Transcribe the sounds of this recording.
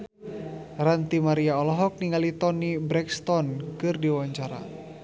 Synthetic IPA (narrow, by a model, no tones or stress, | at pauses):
rant̪imaɾiaɔlɔɦɔk̚niŋalit̪ɔnibɾɛkst̪ɔnkɨrdiwaɲt͡ʃaɾa̰